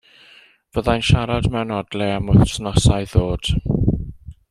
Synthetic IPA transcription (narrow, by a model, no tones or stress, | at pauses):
v̥əðajnʃaɾadmɛwnɔdlɛamʊθtnɔsajðoːd̥